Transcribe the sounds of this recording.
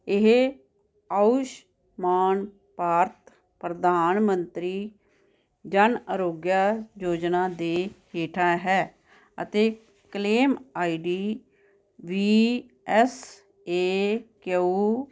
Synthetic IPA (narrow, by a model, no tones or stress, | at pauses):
ɪɦe | aʊʃ | maːn | paːɾt̪ | pɾəd̪aːnmənt̪ɾiː | d͡ʒənəɾoːɡjaːjoːd͡ʒnaːd̪eːheːʈʰaːɦɛː | ə̰t̪eː | kleːmaːiːɖiː | ʋiː | ɛːs | eːkeuː